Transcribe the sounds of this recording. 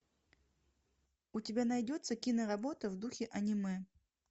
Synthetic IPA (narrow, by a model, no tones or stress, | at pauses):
utʲɪbʲanajdʲɔt̪sːɐkʲinɐɾabɔt̪ɐvd̪uxʲɪʔɐnʲimɛ